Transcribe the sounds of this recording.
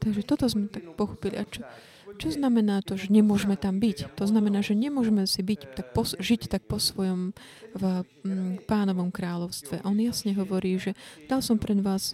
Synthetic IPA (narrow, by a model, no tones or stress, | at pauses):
t̪aɡʒɛt̪ɔt̪ɔzmɛt̪ak̚pɔxɔ̥pilḭʔat͡ʃɔ | t͡ʃɔznamɛnaːt̪ɔʒɛɲɛmʊɔʒɛmɛt̪ambict̪ɔznamɛnaːʒɛɲɛmʊɔʒɛmɛsibict̪ak̚pɔsʒict̪ak̚pɔsʋɔjɔm | paːnɔʋɔmkɾaːʎɔʊst̪ʋɛʔʔɔnjasɲɛɦɔʋɔɾiːʒɛd̪̥alsɔmpɾɛd̪ʋaːs